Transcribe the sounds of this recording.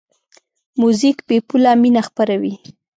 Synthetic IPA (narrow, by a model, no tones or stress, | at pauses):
muzikbepulaminaxpaɾawi